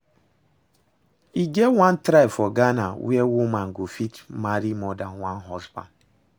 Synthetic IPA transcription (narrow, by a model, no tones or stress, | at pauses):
iɡewan̩tɾaifɔɡanawiewumaŋ̩ɡofikmaɾimɔdawan̩ɦɔzba̰n